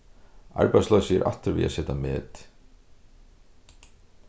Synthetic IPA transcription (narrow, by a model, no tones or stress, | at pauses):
a̰ɹpajslɔsɛ̰ɾʔa̰ft̪ʏɾvɪ̰ða̰sɛːt̪amɛːt̪